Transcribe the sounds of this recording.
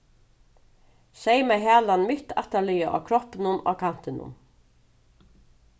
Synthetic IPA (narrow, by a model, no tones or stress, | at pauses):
sejmɛɦæːlanmɪt̪a̰ht̪alʏjaʔa̰kʰɾɔhpɪnʊnʔa̰kʰan̥t̪ɪnʊ̰n